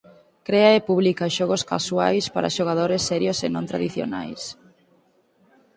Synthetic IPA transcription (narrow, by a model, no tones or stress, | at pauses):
kɾeɐepuβlikaʃɔɣoska̰swa̰jspaɾɐ̰ʃoɣ̞að̞oɾesːɛɾjosenõnt̪ɾa̰ðiθjo̰na̰js